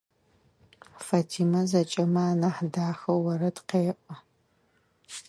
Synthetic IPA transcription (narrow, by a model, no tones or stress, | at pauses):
faːtʰiːmɐzɐt͡ʃʼɐmaːnaħdaːxɐwwɐɾɐtqeːʔʷʼɐ